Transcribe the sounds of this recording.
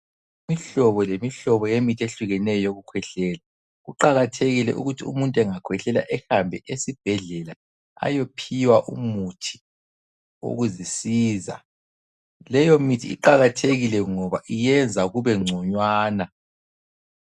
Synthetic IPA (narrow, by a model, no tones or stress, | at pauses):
imiɬɔβɔlemiɬɔβɔjemitʰeɬuɣɛnɛjɔjoɣukʰwɛɬɛːla | ɣuǃaɣatʰeɣilɛ̰ʔṵɣutʰiṵmuntʼɛŋakʰwɛɬɛla̰ʔɛhambʱɛʔesib̥ʱɛɮɛla | a̰jopʰiwaʔṵmutʰi̥ | o̰ɣuzisiːza̰ | lɛjomitʰiḭǃaɣatʰeɣilɛŋɔβaʔijɛnd͡zʱaɣuβɛŋ͡ǀʱɔɲwaːna